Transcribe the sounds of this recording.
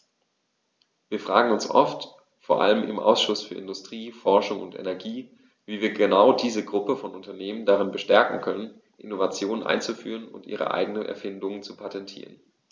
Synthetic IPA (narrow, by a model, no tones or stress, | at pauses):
viːɐfʁ̥aːɡŋ̩ʊnsʔɔ̰ft | foːɐʔa̰ləmʔɪ̰mʔa̰ʊsʃʊsfyːɐʔɪndʊstʁ̥iːfɔɐʃʊŋʊntɛ̰nɛɐɡiː | viːviːɐɡənaʊdiːzəɡʁʊpəfɔnʊntɐneːməndaʁɪnbəʃtɛɐkŋ̩kʰœnən | ʔɪ̰novat͡sjoːnənʔa̰ɪnt͡sufy̰ːʁ̞ənʊ̰ntʔḭːʁ̞ə̰ʔa̰ɪɡənənʔɛ̰ɐfɪndʊŋənt͡supʰatʰɛntʰḭːʁən